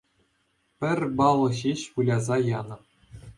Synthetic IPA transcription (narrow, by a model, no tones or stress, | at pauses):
pʲɘ̆rʲbɑlˠɤ̆ɕeɕpulʲɑzɑjɑnɤ̆p̚